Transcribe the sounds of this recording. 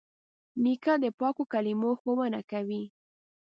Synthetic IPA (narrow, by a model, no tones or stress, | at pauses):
nikad̪əpɑkokalimoxowənakawi